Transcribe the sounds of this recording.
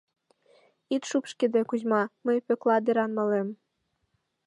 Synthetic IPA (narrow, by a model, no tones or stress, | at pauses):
it̪ʃupʃked̪ekuzmɑməjpøklɑd̪eɾɑnmɤ̆lem